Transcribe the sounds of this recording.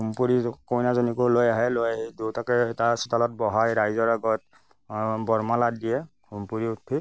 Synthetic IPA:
ɦumpuɹikojnazɔnikulojaɦɛlojdutakɛtasu̥talɔt̚bɔɦaɹɹajzɔɹaɡɔt̚ | bɔɹmalat̚dijɛ | humpuɹiutʰːi

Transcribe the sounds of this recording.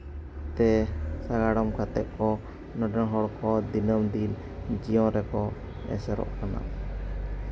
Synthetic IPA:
t̪ɛsaɡaɽɔmkat̪ɛʔ̚kɔ | nɔɖɛnɦɔɽkɔd̪inəmd̪il | d͡ʒijɔ̃ɾɛkɔ | ɛ̰sɛɾɔ̰ʔkana̰

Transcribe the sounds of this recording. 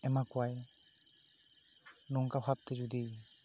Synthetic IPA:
ɛmakwaj | nɔŋkabʱab̚t̪ɛd͡ʒudi

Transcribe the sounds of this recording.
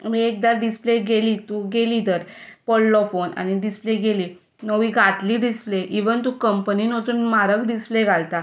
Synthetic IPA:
miek̚d̪aɾɖispleɡeliːt̪uɡeliːt̪əɾpɔlːɔfona̰ñiɖispleɡeliː | nəʋiːɡʱat̪liːɖispleʔiʋənt̪̬ukəmpəninot̪uːnmaɾəɡɖispleɡʱalt̪a

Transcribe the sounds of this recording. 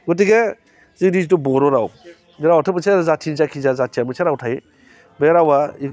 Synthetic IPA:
ɡut̬iɡe | ziŋdiztubɔɾɔɾaw | niɾawatʰɯpət͡ʃezatʰinzakʰizazatʰiamɯt͡ʃʰeɾawtʰaj | beɾawai

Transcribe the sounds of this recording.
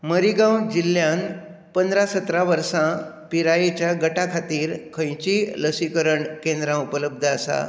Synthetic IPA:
məɾiɡãwd͡ʑilːjãn | pənd̪ɾasət̪ɾaʋəɾsã | piɾajet͡ɕjaɡəʈakʰat̪iːɾkʰə̃jt͡ɕiləsikəɾəɳkẽnd̪ɾãupələb̚d̪ʱəːsa̰

